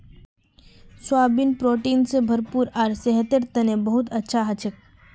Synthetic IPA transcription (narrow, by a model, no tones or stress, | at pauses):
swaːbinpɾoːʈiːnsebʱɐɾpuːɾaːɾseɦt̪eɾt̪ɐnebɐɦʊt̪ɐtːʃʰaɦɐt͡ʃʰək̚